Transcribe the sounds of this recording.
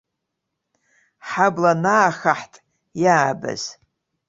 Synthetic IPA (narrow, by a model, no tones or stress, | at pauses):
ħablanaːxaħtʼ | jaːbɨ̰z̥